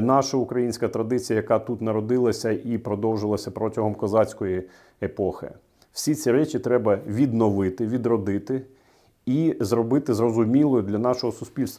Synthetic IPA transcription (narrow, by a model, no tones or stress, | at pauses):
nɑʃɐukɾɐjinʲsʲkɐt̪ɾɐd̪ɪt͡sʲijɐjɐkɑt̪ut̪nɐɾɔd̪ɪlˠɐsʲɐipɾɔd̪ɔwʒɪlˠɐsʲɐpɾɔtʲɐɦɔmkɔzɑt͡sʲkɔji | epɔxɪ̰ | w̥sʲit͡sʲiɾɛt͡ʃʲit̪ɾɛbɐʋʲid̪nɔʋɪt̪ɪʋʲid̪ɾɔd̪ɪt̪ɪ | izɾɔbɪt̪ɪzrɔzʊmʲilˠɔjʊd̪lʲɐnɑʃɔɦɔsʊsʲpʲilʲst̪ʋɐ